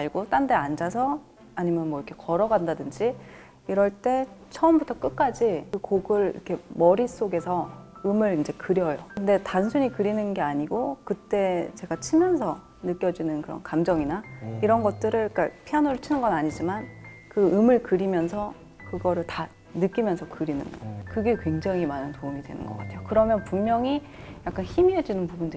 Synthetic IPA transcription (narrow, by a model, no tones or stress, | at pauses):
aɭɡot͈andeand͡ʑasʰʌ | aɲimjʌnmwʌiɾʌkʰe̞kʌɾʌɡandadɯnd͡ʑi | iɾʌɭt͈e̞t͡ɕʰʌɯmbutʰʌk͈ɯk̚k͈ad͡ʑikɯkoɡɯɭḭɾkʰe̞mʌɾis͈oɡe̞sʰʌɯmɯɾind͡ʑe̞kɯɾjʌjokɯnde̞tansʰuɲikɯɾinɯnɡe̞aɲiɡokɯt͈e̞t͡ɕe̞ɡat͡ɕʰimjʌnsʰʌ | nɯk͈jʌd͡ʑinɯnkɯɾʌ̰nkamd͡ʑʌŋinaiɾʌnɡʌt̚t͈ɯɾɯɭk͈apʰianoɾɯɭt͡ɕʰinɯnɡʌnaɲid͡ʑiman | kɯɯmɯɭkɯɾimjʌnsʰʌ | kɯɡʌɾɯɭta | nɯk͈imjʌnsʰʌkɯɾinɯnɡʌkɯɡe̞kwe̞ŋd͡ʑaŋimanɯntoumidwe̞nɯ̰nɡʌ̰k͈atʰe̞jokɯɾʌmjʌnpuŋmjʌŋi | jak͈̚ançimiɦed͡ʑinɯnpubundɯ